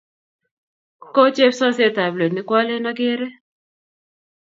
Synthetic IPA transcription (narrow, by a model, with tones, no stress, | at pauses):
ko˦t͡ʃe˦fsɔ˦se˦ta˨ble˨t̬nɪ˨˦kwɔ˦le˦nɔ˦ɡɪ˦ɾɛ˦